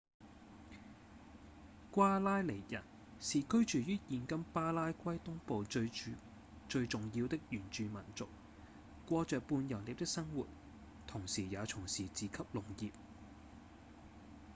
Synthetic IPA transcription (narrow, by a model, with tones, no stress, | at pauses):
kʷaː˥laː˥jle˨˩jɐ˨˩n | siː˨kɵ˥ɥt͡ʃyː˨jyː˥jiː˨˧nkɐ˥mpaː˥laː˥jkʷɐ˥jt̪ʊ˥ŋpo˨˧wɵ˧ | t͡ʃɵ˧ɥt͡sʊ˨ŋjiː˧wt̪ɪ˥k̚jyː˨˩nt͡ʃyː˨˧mɐ˨˩nt͡sʊ˨k̚ | kːʷɔː˧t͡ʃœː˨k̚puː˧njɐ˨˩wliː˨p̚t̪ɪ˥k̚sɐ˥ŋwuː˨t̚ | t̪ʰʊ˨˩ŋsiː˨˩jaː˨˧t͡sʰʊ˨˩ŋsiː˨˩t͡siː˨˧kʰɐ˥p̚lʊ˨˩ŋjiː˨p̚